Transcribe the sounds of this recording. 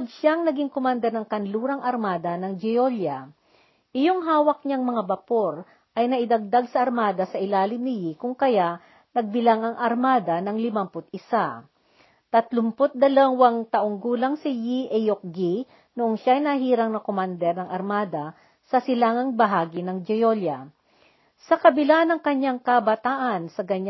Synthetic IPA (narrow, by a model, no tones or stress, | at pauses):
pod̪̚ʃaŋnɐɡiŋkomand̪ɛɾnɐŋkɐnluːɾɐŋʔɐɾmaːd̪ɐnɐŋd͡ʒɛjoljɐ | ʔɪjo̞ŋɦaːwɐk̚ɲaŋmɐŋabɐpo̞ɾ | ʔɐjnɐʔɪd̪ɐɡ̚d̪aɡsɐʔɐɾmaːd̪ɐsɐʔɪlaːlɪmnɪjikʊŋkɐja | nɐɡ̚bɪlaŋɐŋʔɐɾmaːd̪ɐnɐŋlɪmampʊt̪̚ɪsa | t̪ɐt̪lʊmpot̪̚d̪ɐlɐŋwɐŋt̪ɐʔoŋɡuːlɐŋsɪjiʔɛjok̚ɡi | nʊʔoŋʃajnɐɦiːɾɐŋnɐkomand̪ɛɾnɐŋʔɐɾmaːd̪ɐ | sɐsɪlaːŋɐŋbɐɦaːɡɪnɐŋd͡ʒɪjoljɐ | sɐkɐbɪlanɐŋkɐɲːaŋkɐbɐt̪aːʔɐnsɐɡɐɲ